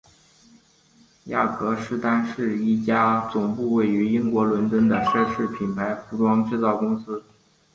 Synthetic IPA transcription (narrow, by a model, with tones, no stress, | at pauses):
ja̰˥˩kɤ˧˥ʂɻ̩˥˧t̪a˥nʂɻ̩˥˩i˥˩t͡ɕja˥t͡sʊ˨˩ŋpu˥˧we˥˩ɪy˧˥i˥ŋkwɔ˧˥lwə˧˥nt͡swə˥nd̪ə˨ʂɤ˥˧ʂɻ̩˥˩pʰi˨˩npʰa˧˥ɪfu˧˥ʈ͡ʂwɑ˥ŋʈ͡ʂɻ̩˥˧t͡sɑ˥˩ʊkʊ˥ŋsɹ̩˥